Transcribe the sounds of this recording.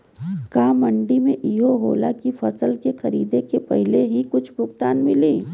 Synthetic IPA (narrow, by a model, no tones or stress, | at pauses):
kaːmɐɳɖimẽʔiːɦoɦo̰ːla̰kifɐsəlkexɐɾḭːd̪ekepɐɦɪleɦikʊt͡ʃʰbʱʊkt̪aːnmɪliː